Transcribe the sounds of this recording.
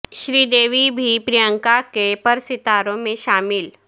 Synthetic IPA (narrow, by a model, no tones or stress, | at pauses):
ʃɾiːd̪eːʋibʱipɾijə̃ŋkakepɐɾsɪt̪aːɾõmẽʃaːmɪl